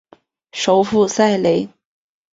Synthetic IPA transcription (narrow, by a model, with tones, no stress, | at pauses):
ʂo˧˥ʊfu˥˧sa˥˩ɪle˧˥ɪ